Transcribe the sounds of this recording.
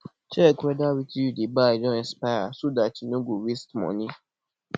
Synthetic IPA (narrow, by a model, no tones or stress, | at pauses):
t͡ʃɛkɾɛdawitiudebad͡ʒɔ̃ɛ̃spaasodatinũɡuwistmɔ̰̃nĩ